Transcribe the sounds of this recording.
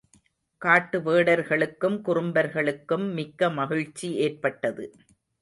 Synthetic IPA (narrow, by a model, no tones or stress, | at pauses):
kaːʈːɯʋeːɽɐɾɣɐɭɯkːɯmkʊɾɯmbɐɾɣɐɭɯkːɯmːɪkːɐmɐɣɪɻt͡ʃːieːrpɐʈːɐðɯ